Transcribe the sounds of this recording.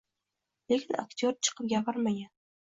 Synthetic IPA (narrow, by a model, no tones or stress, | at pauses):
lekʲʰɪna̰kt̪ʰʲoɾt͡ʃʰɨ̥qʰɨp̚ɡʲapʰaɾmaɡʲan